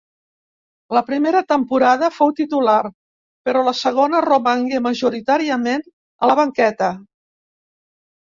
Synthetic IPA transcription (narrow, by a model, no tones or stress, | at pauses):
ləpɾimeɾət̪əmpuɾað̞əfowt̪it̪ular | pəɾɔləsəɣ̞onəroməŋɡeməʒuɾit̪aɾiəmen | ələβəŋkɛt̪ə